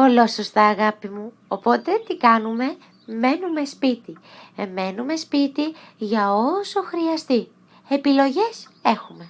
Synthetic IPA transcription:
po̞lo̞sost̪ɐːɣɐpimu | opo̞t̪e̞t̪ikɐnume̞ | me̞nume̞spit̪ime̞nume̞spit̪iʝɐoso̞xɾiɐst̪i | epilo̞ʝe̞se̞xume̞

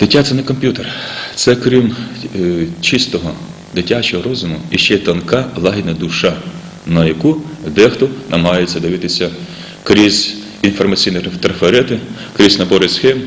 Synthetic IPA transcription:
d̪̥ɪtʲat̪sɛnɛkɔmʲpʲjut̪ert̪sɛkɾim | t͡ʃist̪ɔɦɔ | d̪ɪtʲːat͡ʃɔɦɔɾɔzʊmʊ̰iʃt͡ʃɛt̪ɐnkɑlˠɑɦʲinɐd̪uʃɑ | nɐjɐkud̪ɛxt̪ɔnʔɐmɦɑjet͡sʲːɐd̪ɪʋɪt̪ɪsʲɐ | kɾʲizʲ | infɔrmɐt͡sʲijnit̪ɾɐfeɾɛt̪ɪ | kɾʲisʲnɐbɔɾesxɛm

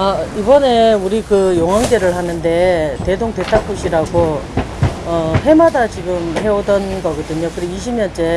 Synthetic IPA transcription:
ʌibʌne̞uɾikɯjoŋɦaŋɡe̞ɾɯɭhanɯnde̞te̞doŋte̞tʰak͈ʰuɕʰiɾaɡo | ʌhe̞madat͡ɕiɡɯmɦe̞odʌnɡʌɡʌdɯɲokɯɾiiɕʰimɲʌnt͡ɕ͈e̞

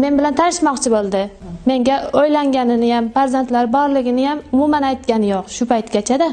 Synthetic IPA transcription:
me̞nbɪlant̪ʰanɪʃmɒqt͡ʃʰɪbolˠd̪ɪ | me̞ŋɡʲaojlaŋɡʲanɪnɪjamfaɾzant̪laɾbɒɾlɪɡʲɪnɪjamʊmumanajt̪̚kʲanɪjoqʃʊpajt̪ɡʲat͡ʃʰad̪a

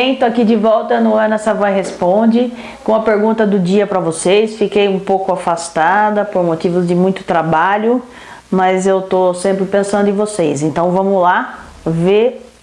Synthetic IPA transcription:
ẽt̪ʊakid͡ʒɪvɔwt̪ɐnʊɐnɐsɐvajɦespõd͡ʒɪ | kõɐpeɾɡũnt̪ɐd̪ʊd͡ʒiɐpɾɐvosejsfikejũpowkʊafast̪ad̪ɐpoɾmot͡ʃivʊzd͡ʒɪmũj̃t̪ʊ̥t̪ɾabaʎʊ | mɐzewt̪osẽmpɾɪpẽsɐ̃nd̪ʊɪ̃vosejsẽnt̪ɐ̃w̃vɐ̃mʊla | ve

